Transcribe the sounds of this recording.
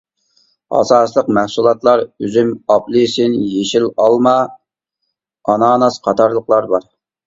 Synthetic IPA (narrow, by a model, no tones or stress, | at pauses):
ɑ̰ːsɑːsəlˠəqmæhsulˠɑt̪lˠɑɾøzymɑplˠɨsɪnjeʃilɑlˠmɑ | ɑnɑːnɑsqʰɑt̪ʰɑɾlˠəqlˠɑɾbɑɾ